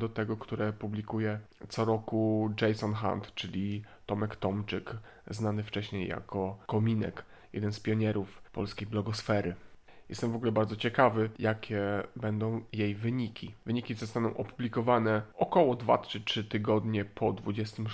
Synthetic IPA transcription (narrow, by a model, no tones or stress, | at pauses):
d̪ɔt̪ɛɡɔkt̪uɾɛpublʲikujɛt̪sɔɾɔkud͡ʐɛjsɔnxa̰nt̪t͡ʂɘlʲit̪ɔmɛkt̪ɔmt͡ʂɘk | znanɘft͡ʂɛɕɲejːa̰kʰɔkɔmʲinɛ̰k | jɛ̰d̪ɛnspʲjɔɲɛɾufpɔ̰lskʲejblɔɡɔsfɛɾɘ | jɛ̰st̪ɛmvɔɡulɛbaɾd̪zɔt͡ɕɛkavɘjakʲʰɛbɛnd̪ɔ̃w̃jejvɘɲikʲivɘɲikʲizɔst̪anɔ̃w̃ʔɔpublʲikɔvanɛʔɔkɔwɔd̪va̰tʂɘtʂɘt̪ɘɡɔd̪ɲɛpʰɔd̪vud͡ʑɛst̪ɘm